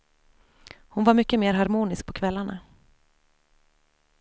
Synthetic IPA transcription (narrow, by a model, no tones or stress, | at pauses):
hʊnvaɾmʏkːəmeːɾɦaɾmuːnɪsk̚pʰɔkʰvɛlːaɳa̰